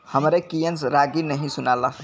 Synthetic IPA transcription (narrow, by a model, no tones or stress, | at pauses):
həmɾekijənsɾaɡinəɦĩsunalə